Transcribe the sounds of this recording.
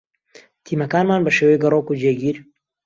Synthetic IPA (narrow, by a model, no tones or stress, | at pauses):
t̪ʰiːmɐkaːnmaːnbɐʃeːwejɡɐrokud͡ʒeːɡiːɾ